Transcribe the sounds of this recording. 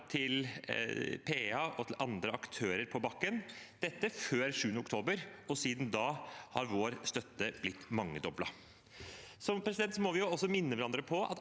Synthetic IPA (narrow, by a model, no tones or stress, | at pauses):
t̪ʰɪl | pʰeːɑʔɔt̪ʰɪlʔɑnd̪ɾəɑkt̪ʰøːɾəɾpʰɔbɑkːənd̪̥ɛt̪ːəføːɾʂʉːnʊkt̪ʰoːbəɾɔsiːd̪nd̪ɑhɑ̰ɾʋoːɾst̪œt̪ːəb̥lɪt̪ːmɑŋːəd̪ɔblɑ̰ | sɔmpɾɛsɪd̪ɛnt̪sɔmɔʋɪjʊɔsːɔmɪnːəʋæɾɑnd̪ɾəpʰɔʔɑ̰t̪